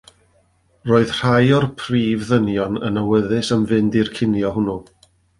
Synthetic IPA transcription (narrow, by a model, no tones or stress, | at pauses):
roːɨðr̥ajɔrpʰriːvðənjɔnə̰nəwəðɨsəmvɨndirkʰɪnjɔɦʊnu